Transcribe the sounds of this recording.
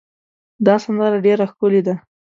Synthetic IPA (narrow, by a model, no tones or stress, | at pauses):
d̪ɑsand̪ɑɾaɖeɾaxkʊled̪a